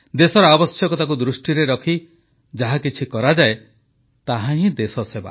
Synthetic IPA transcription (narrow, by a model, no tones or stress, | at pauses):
d̪esɔɾɔabɔsjɔkɔt̪ak̬ud̪ɾusʈiɾeɾɔkʰi | d͡ʒaɦakit͡ʃʰikɔɾad͡ʒae | t̪aɦãɦĩd̪esɔseba̰